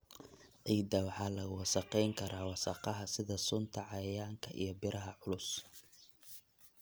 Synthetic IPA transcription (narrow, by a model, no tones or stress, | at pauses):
ʕiːd̪ɐwɑħɑːlɐɣʊwɑsɑqɛjŋkʰɐɾʔaːwɑsɑ̰qɑɦɐsɪðɐsʊnt̪ʰɐʕɑjɐjaːŋkʰɐʔḭjɔbɪɾɐɦɐʕʊlʊs